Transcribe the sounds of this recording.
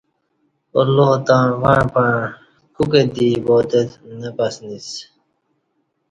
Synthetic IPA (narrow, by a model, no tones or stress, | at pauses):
o̰ɾloːt̪ãːʋaɳpã | kuked̪iːboːt̪et̪nepɐsnis